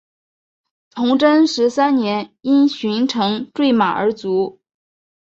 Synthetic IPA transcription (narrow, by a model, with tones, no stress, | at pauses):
t͡sʰʊ˧˥ŋʈ͡ʂə˥nʂɻ̩˧˥sa˥nnjɛ˧˥ni˥nɕy˧˥nʈ͡ʂʰɤ˧˥ŋʈ͡ʂwe˥˩ɪma˨˩ə̰˞˧˥t͡su˧˥